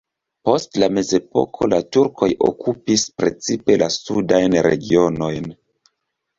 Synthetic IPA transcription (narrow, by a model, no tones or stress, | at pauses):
po̞stlame̞ze̞po̞̰kʰo̞latuɾkʰo̞jʔo̰kupispɾe̞t͡sipe̞lasudajnɾe̞̰ɡio̞no̞jn